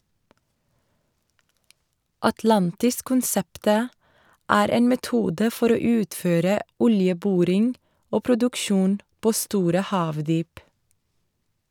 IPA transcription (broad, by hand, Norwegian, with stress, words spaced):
ɑtˈlɑntɪskʊnˌsɛptə ˈæːɾ ˈeːn mɛˈtuːdə ˈfɔɾ ˈoː ˈʉːtføːɾə ˈɔljəˌbʊɾɪŋ ˈoː pɾʊdʉkˈʃuːn ˈpoː ˈstuːɾə ˈhɑːʋdyːp